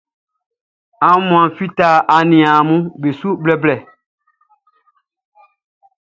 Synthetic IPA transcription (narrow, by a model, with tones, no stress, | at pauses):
ã˨˦mũ˨ã˨fi˦ta˦ʔa˨nĩ˨ã˨mũ˦be˨su˦blɛ˨blɛ˨